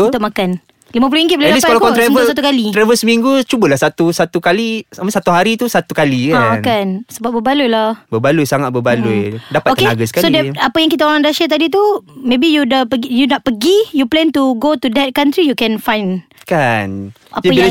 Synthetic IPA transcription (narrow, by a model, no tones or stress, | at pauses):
t̪ʊkʔmakan | limãp̬uluiŋɡiʔ̚bəldaispkalakkɔt̪ɾɛvəusat̪ukalit̪ɾɛvəsəmiŋɡut͡ʃubəlahsat̪usat̪ukalisaməsat̪uɦaɾit̪usat̪ukalikaaankansəbap̚bəbalulahbəbalujsaŋat̪̚bəbalujdappatoəenaɡasə̥kasoidɛapəjãŋk̬it̪aoɾãŋdaʃət̪̬adit̪̬umẽbijudapəɡjunaʔ̚pəɡijuplɛnt̪uɡot̪udɛt̪̚kant̪ɾijukɛnfajn | kan | a̰pd͡ʒə